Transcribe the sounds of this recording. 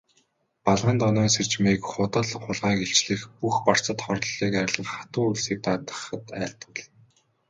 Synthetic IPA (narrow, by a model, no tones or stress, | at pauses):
paɮʁə̆nt̪ɔnɔːnser̥t͡ɕmiːkχʊt̪ə̆ɮχʊɮʁaːkeɬt͡ɕɮɘ̆xpuxpar̥t͡sə̆t̪χɔrɮiːkæɾ̆ʲɮə̆ɮχat̪ʊːŋuɮsiːk̚t̪at̪ə̥̆χə̆t̪æːɬt̪ə̆ɮ